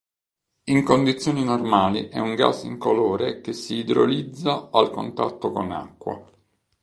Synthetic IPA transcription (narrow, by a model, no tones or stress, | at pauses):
iŋkond̪it̪sːjoːninormaːliʔɛ̰uŋɡa̰sːḭŋkoloːɾek̟esːiːd̪ɾo̰lid̪zːaalko̰nt̪a̰t̪ːokona̰kːwa̰